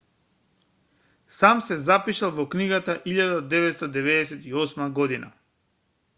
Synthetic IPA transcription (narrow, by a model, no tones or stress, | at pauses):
samsɛzapiʃalˠvɔkniɡat̪aʔiʎad̪ad̪ɛvɛt̪st̪ad̪ɛvɛd̪ɛsɛt̪iɔsmaɡɔd̪ina̰